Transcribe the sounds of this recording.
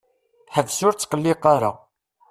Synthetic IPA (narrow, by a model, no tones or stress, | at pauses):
ħəvsʊɾt͡sːqəlːɪqaɾa̰